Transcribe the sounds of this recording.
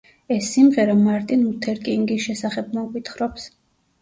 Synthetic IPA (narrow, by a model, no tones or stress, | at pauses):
ɛsːimʁɛɾamaɾt̪ʼinut̪ʰɛɾkʼiŋɡisʃɛsaχɛb̚mɔɡʼwit̪ʰχɾɔps